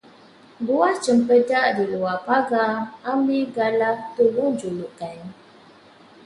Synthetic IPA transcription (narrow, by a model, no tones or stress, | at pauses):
buaht͡ʃəmpədaʔdiluapaɡaambiɡalat̪uluŋd͡ʒuluʔkaj